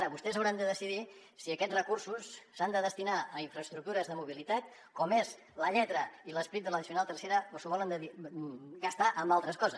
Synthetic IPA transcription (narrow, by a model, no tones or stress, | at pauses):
aɾəβust̪ɛsəwɾand̪əðəsiðisiəkɛd͡zrəkursusːand̪əðəst̪inaəiɱfɾəst̪ɾuk̚t̪uɾəzðəmuβilit̪at̪ | kɔmez | ləʎɛt̪ɾəiləspɾit̪d̪ələðisiunalˠt̪ərseɾəosəβɔlənd̪əiɡəst̪aʔəmbalˠt̪ɾəskɔzəs